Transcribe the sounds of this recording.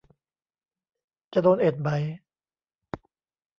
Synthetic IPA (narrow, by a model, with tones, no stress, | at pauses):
t͡ɕa˨doː˧nʔe˨˩t̪̚ma˨˦j